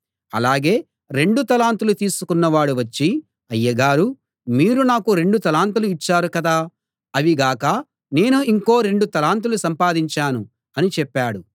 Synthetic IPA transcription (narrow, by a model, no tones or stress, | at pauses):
ɐ̰laːɡe̞ː | ɾe̞ɳɖut̪ɐlaːnt̪ulut̪iːsukunːɐʋaːɽuʋɐt͡ʃːi | ɐjːɐɡaːɾu | miːɾunaːkuɾe̞ɳɖut̪ɐlaːnt̪uluit͡ʃːaːɾukɐd̪aː | ɐʋiɡaːkɐ | ne̞ːnuiŋko̞ːɾe̞ɳɖut̪ɐlaːnt̪̬ulusɐmpaːd̪iɲt͡ʃaːnu | ɐnit͡ʃɛpːaːɽu